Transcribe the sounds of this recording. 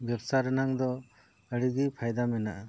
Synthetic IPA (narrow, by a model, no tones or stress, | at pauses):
bɛbsaɾənaŋd̪ɔ | əɽiɡipʰajd̪amɛnaʔa